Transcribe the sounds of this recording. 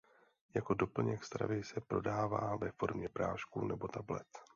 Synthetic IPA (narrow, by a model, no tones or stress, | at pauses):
jako̞do̞pl̩ɲɛkst̪ɾa̰vɪsɛpɾo̞̰daːva̰ːvɛfo̞ɾmɲɛpɾa̰ːʃkunɛbo̞t̪ablɛ̰t̪